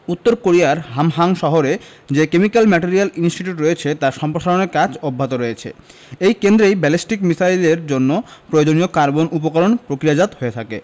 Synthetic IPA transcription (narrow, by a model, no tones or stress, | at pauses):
ut̪ːoɾkoɾijaɾɦamɦaŋʃɔɦoɾe | d͡ʑekemikalmɛʈiɾialinsʈiʈjuʈɾojet͡ɕʰet̪aɾʃɔmpɾoʃaloneɾkad͡ʑɔbʱːat̪oɾoet͡ɕʰḛ | ejkend̪ɾejbɛlisʈikmisaileɾd͡ʑonːopɾood͡ʑonijokaɾbonʔup̬okoɾonpɾokɾijad͡ʑat̪ɦoet̪ʰakḛ